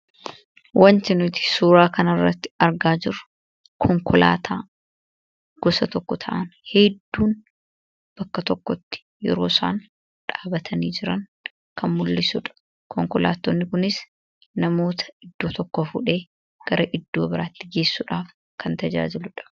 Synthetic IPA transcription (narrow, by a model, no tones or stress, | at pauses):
wʔɐnt̪ɪnʊt̪ɪ̥suːɾaːkɐnɐrːɐt̪ːɪ̥ɐɾɡaːd͡ʒɪɾʊ̥ | kʰɔŋkɔla̰ːt̪ʰaː | ɡ̥ɔsɐt̪ɔkːɔt̪ʰɐʔɐnhɛd̪ːuːn | b̥ɐkːɐt̪ɔkːɔt̪ːɪ̥ | jɛ̰ɾo̞̰ːsa̰ːn | ᶑaːbɐt̪ʰɐniːd͡ʒɪɾɐn | kʰɐnmʊlːɪsʊːᶑɐ̥ | kʰɔŋkɔla̰ːt̪ːonːɪkʊnɪs | nɐmo̞ːt̪ʰɐ̥ɪd̪ːo̞ːt̪ɔkːɔfṵːᶑe̞ː | ɡ̥ɐɾɐʔɪd̪ːo̞ːbɪɾaːt̪ːɪɡe̞ːsːuːᶑaːf | kʰɐnt̪ɐd͡ʒa̰ːd͡ʒɪlʊᶑɐ̥